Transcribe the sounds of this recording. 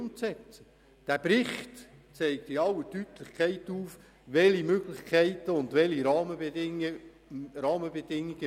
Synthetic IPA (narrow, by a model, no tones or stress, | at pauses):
mt͡sɛt͡sə | d̥æb̥ɾɪχtt͡sɛɪk̚t̪ɪɑwətytlɪχkʰæɪtuːf | ʋɛlimøɡlɪχkʰɛɪtəʊndʋɛliɾɑːməbeɪə | ɾɑːməbɛdɪŋːiɡ̥ə